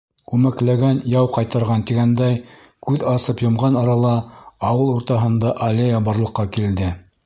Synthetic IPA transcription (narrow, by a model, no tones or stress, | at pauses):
kʉmæklæɡænjɑwqɑjt̪ɤ̆ɾʁɑnt̪iɡænd̪æj | kʉðɑsɤpjŏmʁɑnɑɾɑlˠɑːwɤlˠuɾt̪ɑɦɤ̆nd̪ɑʔɐlʲejɑbɑɾlˠɤ̆qːɑkild̪ɘ